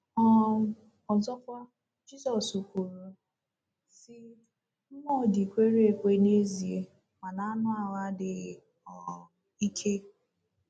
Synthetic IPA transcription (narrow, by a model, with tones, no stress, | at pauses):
ɔ˦ | ɔ˨zɔ˦kʷa˦ | d͡ʒi˦zɔ˨su˨kʷu˨ɾu˦ | sɪ˦ | m̩˦mɔ˦˨di˨kʷe˦ɾe˦e˨kʷe˦ne˦zi˨e˦ | ma˨na˨a˦nʊ˦a˨wa˦dɪ˨ | ɔ˨ | i˦kʰe˦